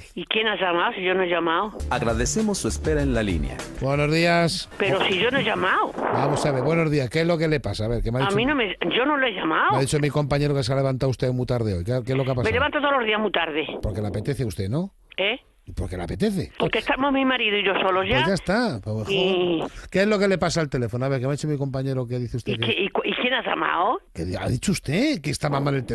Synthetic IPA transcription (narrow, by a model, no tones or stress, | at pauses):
ikjenaʝamawsiʝonoeʒamawaɣɾaðesemosːuespeɾaenlalḭnja̰bwenozðiaspeɾosiʝonoeʒamawbamosaβeβwe̞nozðiaskezlo̞kele̞pasaːβeɾkemaðiat͡ʃmmĩnõmed͡ʒonoloeʝamawmaaðit͡ʃomiko̞mpaɲe̞ɾo̞kes̬eale̞βant̪awust̪eomut̪aɾðeojkekezlokeapasmeleβant̪ot̪oloðiazmuit̪aɾðepoɾke̞lapet̪e̞θeust̪e̞no | e | po̞ɾke̞lape̞t̪e̞θepoɾkest̪amozmimaɾiðoiʝosolozʝaʝaest̪apexoke̞ezlo̞ke̞le̞pasaelt̪e̞le̞fonoaβeɾkemeaðit͡ʃomiko̞mpaɲe̞ɾokeaðiθeust̪kekikjenaza̰ma̰wokeða̰ðit͡ʃoust̪e̞kest̪amamalelt̪e